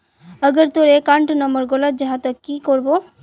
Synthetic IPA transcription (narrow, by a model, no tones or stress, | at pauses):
əɡəɾt̪oɾekãɳʈnəmbəɾɡolat̪̚d͡ʒaɦãt̪okːikoɾbo